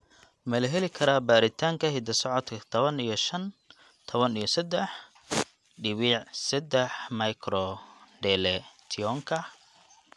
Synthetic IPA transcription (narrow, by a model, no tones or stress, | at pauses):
mɐlɐɦɛlɪkʰɐɾaːbaːɾɪt̪ʰaːŋkʰɐɦɪd̪ɐsɔʕɔt̪kʰɐt̪ʰɔβɐnijɔʃɐn | t̪ʰɔβɐnijɔsɐd̪ɛħ | ɖɪβiʕsɛd̪ɛħmɐjkʰɾɔɖɛlɛt̪ʰɪjɔŋkʰɐ